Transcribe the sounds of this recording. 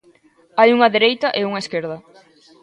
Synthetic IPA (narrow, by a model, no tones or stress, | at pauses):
ajuŋɐðeɾejt̪ɐʔeuŋɐeskeɾð̞ɐ